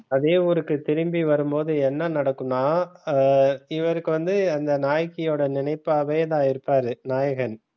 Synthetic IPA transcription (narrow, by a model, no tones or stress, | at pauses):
ɐðeːʋuɾɯkːɯt̪ɪɾɯmbiʋɐɾɯmpoːðɯɛnːɐnɐɽɐkːɯnaː | ɪʋɐɾɯkːɯʋɐnd̪ɯɐnd̪ɐnaːjkːɪjoːɽɐnɪnɐɪpːaːʋeːðãːɪɾɯpːaːɾɯnaːjɐɣɐn